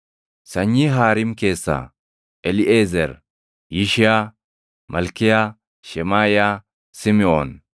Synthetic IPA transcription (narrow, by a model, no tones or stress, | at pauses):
sɐɲːiɦaːɾɪmke̞ːsːa̰ː | ʔɛlɪʔeːzɛɾ | jɪʃɪja | mɐlkɪjaː | ʃɛmaːjaː | sɪmɪoːn